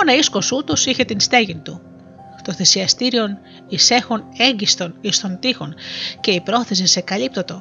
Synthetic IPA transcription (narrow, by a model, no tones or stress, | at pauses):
onɐisko̞sut̪o̞siçe̞t̪inst̪e̞ʝint̪u | t̪o̞θe̞siɐst̪iɾio̞n | ise̞xo̞ne̞ɲɟist̪o̞nist̪o̞nt̪ixo̞nce̞ipɾo̞θe̞s̬isekɐlipt̪o̞t̪o̞